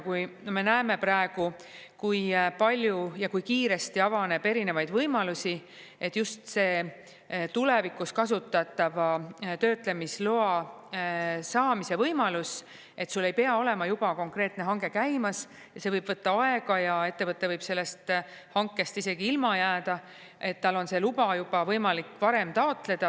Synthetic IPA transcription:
kujnome̞næeme̞prɑeɡ̥u | kujpɑlʲjujɑkujkiːɾe̞st̪iɑvɑne̞b̥e̞ɾine̞vɑjd̪vɤjmɑlusʲi | et̪ːˑjust̪se̞ː | t̪ule̞vikːˑuskɑsut̪ːˑɑt̪ːˑɑvɑt̪ø̞ːt̪ˑle̞misloɑ | sɑːmise̞vɤjmɑlus | e̞t̪sulːe̞jpeɑo̞le̞mɑjub̥ɑko̞ŋkre̞ːt̪ne̞ɦɑŋɡe̞kæjmɑs | jɑse̞vɤjb̥vɤt̪ːɑɑe̞ɡ̥ɑjɑe̞t̪ːe̞vɤt̪ːˑe̞vɤjb̥se̞lːe̞st̪ | hɑŋkːe̞st̪ise̞ɡiilmɑjæːd̪̥ɑ | e̞t̪ːɑlo̞nse̞lub̥ɑjub̥ɑvɤjmɑlikːpɑɾe̞mt̪ɑo̞t̪ˑle̞d̪̥ɑ

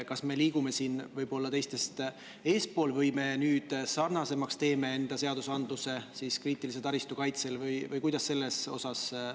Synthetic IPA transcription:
kɑsme̞liːɡume̞siːnvɤjbo̞lːɑt̪e̞jst̪e̞st̪ | e̞ːspo̞ːlvɤjme̞nyːd̪̥sɑrnɑse̞mɑkst̪e̞ːme̞e̞nd̪̥ɑse̞ɑd̪̥usɑnd̪luse̞siskriːt̪ːˑilis̬et̪ɑɾist̪ukɑjt̪se̞lvɯjvɯjkujd̪̥ɑsːe̞lːe̞so̞̰sɑs

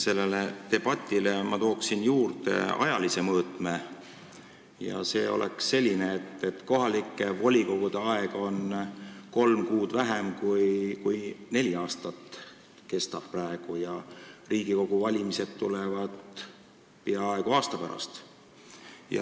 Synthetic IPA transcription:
se̞lːe̞let̪e̞b̥ɑt̪ʲːˑilemɑt̪o̞ːksinjuːrt̪e̞̰ɑ̰jɑlise̞mɤːt̪ˑme | jɑ̰se̞ːo̞̰lʔḛksːe̞lʲːineːt̪ːe̞t̪ko̞ɦɑlikˑːe̞vo̞lʲiko̞ɡ̥ud̪̥e̞ɑe̞ɡ̥o̞nko̞lmkuːd̪̥væɦemkujkujne̞lʲiɑːst̪ɑt̪ | ke̞st̪ɑb̥̚præeɡ̥ujɑriːɡ̥iko̞ɡ̥uvɑlʲimise̞d̪t̪ːulevɑd̪̥ | piɑɑeɡuɑːst̪ɑpæɾɑ̰st̪ | jɑ̰

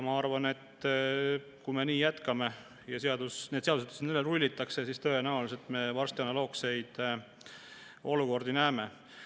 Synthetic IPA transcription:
mɑɑrvɑne̞t̪ː | kume̞niːjæt̪kɑme̞ | jɑseɑd̪usned̪̥seɑd̪uset̪ːsenelːerulʲːit̪ːˑɑksesiːst̪oenæoliselt̪me̞vɑrst̪jɑnɑlo̞ːkse̞jd̪̥ | o̞luko̞rd̪inæːme

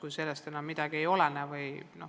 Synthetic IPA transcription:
kujse̞lːest̪e̞nɑmːid̪̥ɑɡ̥ie̞jo̞lenevɯjno

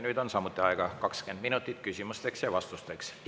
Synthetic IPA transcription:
nyt̪onsɑmut̪ːeɑikɑkɑkskend̪minut̪ːˑit̪kysymyst̪eksjɑʋɑst̪ust̪eks

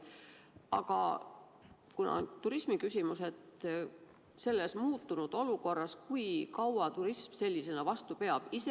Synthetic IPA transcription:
ɑ̰ɡ̥ɑ̰ | kunɑ̰t̪uɾismikysʲimuse̞t̪ | se̞lːe̞smuːt̪ːunud̪̥o̞luko̞rːɑskujkɑwɑt̪uɾismse̞lʲːise̞nɑvɑst̪upe̞ɑb̥ise

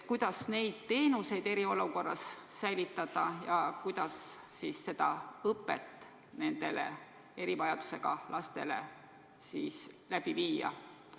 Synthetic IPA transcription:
kujd̪̥ɑsne̞jd̪̥̚t̪e̞ːnuse̞jd̪e̞ɾio̞luko̞rːɑssæjlit̪ːˑɑd̪̥ɑjɑkujd̪̥ɑs | siːsse̞d̪̥ɑɤpːet̪ːˑ | ne̞nd̪̥e̞lḛ | e̞ɾivɑjɑd̪̥u̥se̞ɡ̥ɑ̰lʔɑst̪e̞̰le̞̰ | siːslæb̥iviːjɑ̰

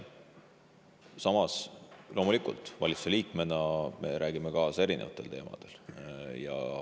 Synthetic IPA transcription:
sɑmɑslʔo̞ːmulikˑṵlt̪ːˑvɑlʲit̪su̥seliːkme̞nɑme̞̰ɾʔæːɡ̥imekɑːse̞ɾine̞̰vɑt̪ːˑe̞lt̪e̞ːmɑ̰d̪̥e̞ljɑ̰

